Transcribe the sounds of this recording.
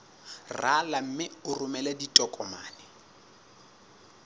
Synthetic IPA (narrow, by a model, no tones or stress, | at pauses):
ralam̩mɪʊrʊmɛladitʼɔkʼɔmaːnɛ